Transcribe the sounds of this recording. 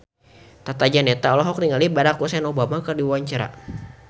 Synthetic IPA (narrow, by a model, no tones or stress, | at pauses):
t̪at̪ad͡ʒanɛt̪aɔlɔɦɔk̚niŋalibaɾakusɛnɔbamakərdiwaɲt͡ʃaɾa̰